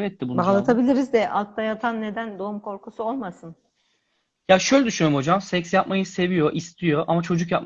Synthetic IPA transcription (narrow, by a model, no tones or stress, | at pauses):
vɛt̪̚ːɛbubaɦlˠat̪ʰabilʲiɾizd̪ɛʔalˠt̪ːajat̪ʰanːe̞d̪ænd̪o̞umkʰo̞ɾkusuolˠmasɯn | jaʃøjlʲɛd̪yʃynjoɾmho̞d͡ʒamsɛcsjap̚majɯse̞vijo̞ʔist̪ʰijo̞ʔamat͡ʃʰo̞d͡ʒukjap̚m